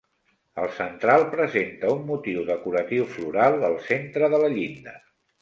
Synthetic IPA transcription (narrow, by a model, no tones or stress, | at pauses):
ə̰lˠsənt̪ɾalˠpɾəzent̪əumːut̪iwðəkuɾət̪iwfluɾalˠəlˠsent̪ɾəðələʎind̪ə